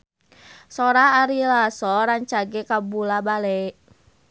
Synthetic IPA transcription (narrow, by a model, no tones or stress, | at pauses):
sɔɾaːɾilasɔɾaɲt͡ʃaɡɛkabulabalɛ